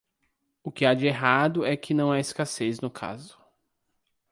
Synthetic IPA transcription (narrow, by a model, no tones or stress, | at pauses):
ʊkɪad͡ʒɪeɦad̪ʊɛkʰɪnɐ̃w̃aɪskaseznʊkʰa̰zʊ̥